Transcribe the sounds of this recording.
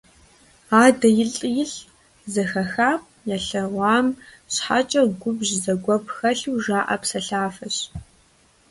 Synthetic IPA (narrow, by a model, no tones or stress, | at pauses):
aːdɐjɪɬʼjɪɬ | zɐxɐxaːpʼ | jaɬɐʁʷɑːmɕħa̰t͡ʃʼɐɡʷʊbʒzɐɡʷɔpʰxɐɬuːʒaːʔɐpsɐɬaːfɐɕ